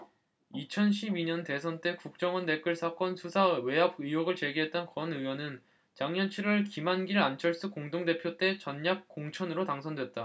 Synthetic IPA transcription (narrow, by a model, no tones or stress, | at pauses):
it͡ɕʰʌnɕʰibiɲʌnte̞sʰʌnt͈e̞kuk̚t͡ɕ͈ʌŋʌnde̞k͈ɯɭsʰak͈ʌnsʰusʰawe̞ɦab̚ɯjoɡɯɭt͡ɕe̞ɡiɦe̞t̚t͈ʌnkʌnɯwʌnɯn | t͡ɕaŋɲʌnt͡ɕʰiɾɯɭkimanɡiɾɯɭant͡ɕʰʌɭs͈ukoŋdoŋde̞pʰjot͈e̞t͡ɕʌɲːak̚k͈oŋt͡ɕʰʌnɯɾotaŋsʰʌndwe̞t̚t͈a